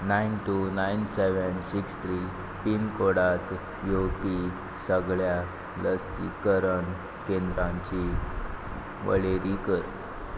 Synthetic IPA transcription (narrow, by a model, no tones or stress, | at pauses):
nainʈunainseʋənsikst̪ʰɾi | pinkoɽat̪ | jopi | səɡɭja | ləsḭkəɾəɳ | kẽnd̪ɾãɲt͡ɕi | ʋə̰ɭeɾikəɾ